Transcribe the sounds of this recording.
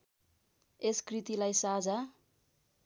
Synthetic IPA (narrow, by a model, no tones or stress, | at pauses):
eskrit̪ilajsad͡za